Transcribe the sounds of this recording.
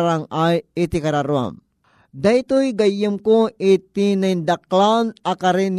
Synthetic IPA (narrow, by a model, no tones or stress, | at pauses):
ɾaŋajit̪ikaɾaɾua̰m | d̪ajt̪ojɡajəmkoɪt̪inand̪ak̚lanakaɾin